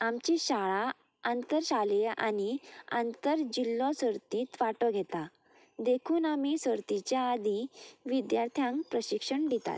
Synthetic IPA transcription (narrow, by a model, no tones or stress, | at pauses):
amt͡ɕiɕaɭa | ənt̪əɾɕaleʔa̰nia̰nt̪əɾd͡ʑilːɔ̃səɾt̪ĩːt̪ʋaʈɔɡʱɛt̪a | d̪ekʰuːnamisəɾt̪it͡ɕjaːd̪iʋid̪jaɾt̪ʰjãŋkpɾəɕikʂəɳɖ̪it̪a̰t̪